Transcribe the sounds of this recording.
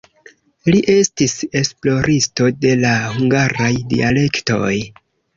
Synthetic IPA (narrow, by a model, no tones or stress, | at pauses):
liʔe̞stise̞splo̞ɾʔisto̞de̞lahuŋɡaɾajdḭale̞kto̞̰j